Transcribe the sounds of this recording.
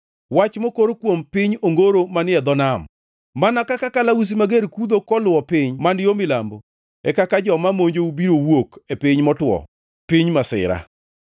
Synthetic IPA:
wat͡ʃmokoɾokwompɪɲoŋɡoɾomanɪɛd̪ɔnamː | anakakakalaus̬imaɡeɾkud̪okɔlʊɔpɪɲmandɪjomɪlambo | ɛkakad͡ʒɔmamoɲd͡ʒoubiɾowokepɪɲmɔtwɔ̰ | piɲmasɪ̰ɾa̰

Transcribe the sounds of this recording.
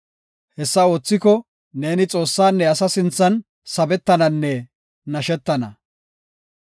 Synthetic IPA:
hɛsːɐo̞ːt͡sːɪkɔ | ne̞ːnɪt͡sʼo̞ːsːaːnːɛɐsɐsɪnt͡sːɐn | sɐbɛt̪ːɐnɐnːɛ | nɐʃɛt̪ːɐnɐ̰

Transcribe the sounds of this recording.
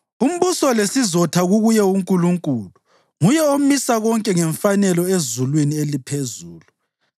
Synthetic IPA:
um̩βusɔlesizɔtʰaɣuɣujɛuŋkʼuluŋkʼuːlu | ŋujɛomisaɣɔŋkʼɛŋɛɱfanɛlɔezulwinielipʰezuːlu

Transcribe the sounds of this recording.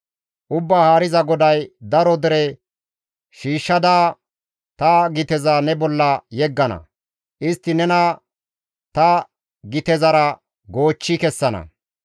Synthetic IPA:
ʔʊbːaːhaːɾɪzɐɡɔd̪ɐjd̪ɐɾɔd̪ɛɾɛ | ʃiːʃːɐd̪aː | t̪ɐɡɪt̪ɛzanɛbɔlːɐjɛɡːɐnɐ̰ | ʔɪst̪ːɪnɛnɐ | t̪ɐ | ɡɪt̪ɛzɐɾɐ | ɡo̞ːt͡ʃːɪkɛsːɐnɐ̰

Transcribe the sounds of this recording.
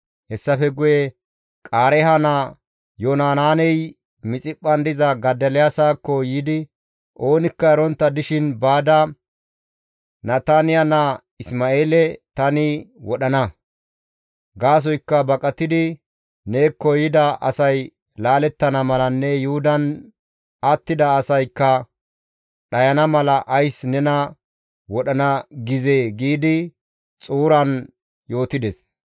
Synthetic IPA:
hɛsːɐfɛɡʊjɛ | kʼaːɾɛɦɐna | jonaːnaːnɛj | mɪt͡sʼɪpʼːɐnd̪ɪzɐɡɐd̪ɐlɛjasaːkːɔjiːd̪ɪ | ʔoːnɪkːɐɛɾɔnt̪ːɐd̪ɪʃɪnbaːd̪ɐ | nɐt̪anɪjɐnɐ | ɪsmaʔeːlɛt̪ɐnɪwɔɗɐnɐ | ɡaːs̬ɔjkːɐbɐkʼɐt̪ːɪd̪ɪ | ne̞ːkːɔjɪd̪ɐʔɐ̰sɐj | laːlɛt̪ːɐnɐmɐlɐnːɛjʊhʊd̪ɐn | ɐt̪ːɪd̪ɐːsɐjkːɐ | ɗɐjɐnɐmɐlɐʔɐjsnɛnɐ | wɔɗɐnɐɡɪzeːɡiːd̪ɪ | t͡sʼuːɾɐn | jo̞ːt̪ɪd̪ɛs

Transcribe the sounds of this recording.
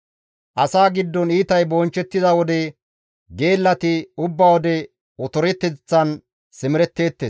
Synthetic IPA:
ʔɐsaːɡɪd̪ːɔniːt̪ɐjbɔːnt͡ʃːɛt̪ːɪzɐwɔd̪ɛ | ɡe̞ːlːɐt̪ɪʊbːawɔd̪ɛ | ɔt̪ɔɾɛt̪ːɛt͡sːɐn | sɪmɪɾɛt̪ːe̞ːt̪ːeːs

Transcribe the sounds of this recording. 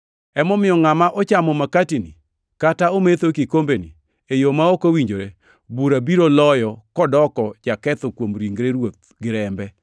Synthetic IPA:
ɛmɔmɪjɔŋamaʔɔt͡ʃamɔmakatini | kataomet̪okikombeni | ejomaokowiɲd͡ʒoɾe | buɾabiɾolɔjɔkɔdɔkɔd͡ʒakɛt̪ɔkwomɾiŋɡɾeɾwot̪̚ɡɪɾɛmbɛ

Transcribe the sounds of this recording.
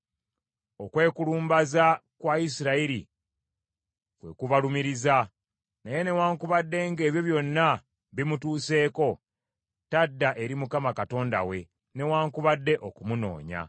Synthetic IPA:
okwe̞ːkuluːmbazakwaisiɾaiɾḭ | kwe̞̰kuβalumiɾiza | naje̞ne̞waːŋkuβadːe̞ŋɡe̞ːβjo̞βjo̞nːa | βimutuːse̞ːko̞ | tadːaʔe̞ɾimukamakato̞ːnda̰we̞ | ne̞waːŋkuβadːe̞ʔo̞kumuno̞̰ːɲa̰

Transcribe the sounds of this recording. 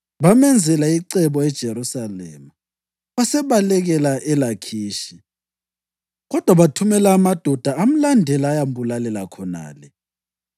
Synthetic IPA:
βamɛnd͡zʱɛlaiǀɛβɔɛd̥ʒ̥ʱeɾusalɛ̰ːma | βasɛβalɛɣɛlaʔɛlakʰiːʃi | ɣɔd̥ʱwaβatʰumɛlaːmad̥ʱɔd̥ʱaːm̩landʱɛlaːjam̩bulalɛlakʰɔna̰ːlɛ

